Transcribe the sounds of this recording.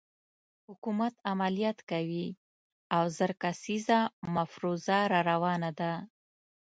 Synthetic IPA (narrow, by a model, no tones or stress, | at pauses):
hʊkumat̪amalijɑt̪kawi | awzəɾkasizamafɾuzaɾɑɾawɑnad̪a